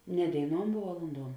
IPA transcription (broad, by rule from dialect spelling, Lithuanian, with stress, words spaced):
nʲɛ dʲeːɪˈnuɔm ʋuɔ ʋɐlˠʊnˈduɔm